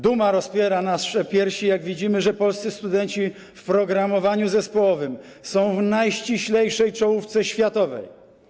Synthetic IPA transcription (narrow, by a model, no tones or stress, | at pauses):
d̪umaɾɔspʲjɛɾanasʂɛpʲjɛɾɕijaɡvʲid͡ʑimɘʐɛpɔlst̪sɘst̪ud̪ɛɲt͡ɕi | fpɾɔɡɾamɔvaɲuzɛspɔwɔvɘm | sɔ̃w̃vnajɕt͡ɕiɕlɛjʂɛjt͡ʂɔwuft̪sɛɕfʲjat̪ɔvɛ̰j